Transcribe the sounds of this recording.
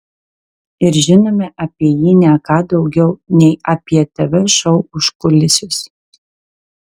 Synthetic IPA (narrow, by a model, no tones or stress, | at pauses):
ɪɾʒʲɪnoːmʲɛʔɐpʲiɛjiːnʲɛkɑːd̪ɒʊɡʲɛʊnʲɛɪɐpʲiɛt̪ɐʋʲɛʃɐʊʊʃkʊlʲɪsʲʊs